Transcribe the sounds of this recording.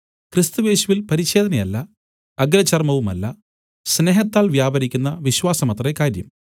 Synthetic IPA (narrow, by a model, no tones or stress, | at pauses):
krist̪uje̞ːɕuʋilpɐɾiɕe̞ːd̪ɐnɐjɐlːɐ | ɐɡɾɐt͡ɕːɐrmɐʋumɐ̰lːɐ | sne̞ːɦɐt̪ːaːlʋjaːbɐɾikʲːunːɐʋiɕwaːsɐmɐt̪rɐekaːɾjɐ̰m